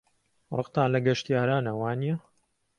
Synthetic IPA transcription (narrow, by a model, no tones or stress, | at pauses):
rˤɨ̰qt̪aːnlɐɡɐʃt̪ijaːɾaːnɐwaːnijɐ